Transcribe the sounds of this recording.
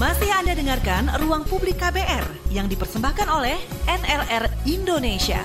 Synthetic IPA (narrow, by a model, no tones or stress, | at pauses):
masihandadəŋarkanruaŋpublikːabeʔɛrjaŋdipərsəmbahkanolɛhɛnɛlɛrindonesia̰